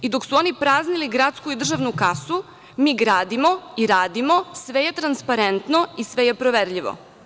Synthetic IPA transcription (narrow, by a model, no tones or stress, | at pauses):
id̪oksuo̞nipɾaːzniliɡɾat̪skuid̪r̩ʒaʋnukasu | miːɡɾaːd̪imo̞iɾaːd̪imo̞sʋe̞jet̪ɾanspaɾent̪no̞isʋe̞jepɾoʋeɾʎiʋo̰